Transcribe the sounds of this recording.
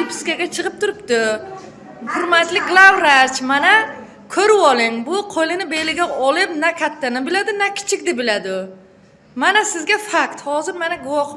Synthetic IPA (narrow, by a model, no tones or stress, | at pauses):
ɪpʰɪ̥skʲaɡʲat͡ʃʰɨqɨp̚t̪ʰʊɾɪp̚t̪ɪ | hʊɾmat̪lɪɡlˠavɾat͡ʃmana | kʰɵɾɪpɒlˠɪŋbʊqʰojlɪnɪbejlɪɡʲaɒlˠɪp̚nakʲʰat̪ʰːanabɪlad̪ɪnakʲʰɪ̥t͡ʃʰɪk̚ʲd̪ɪbɪlad̪ɪ | manasɪzɡʲafakt̪hɒzɪɾmanaɡʊwɒχ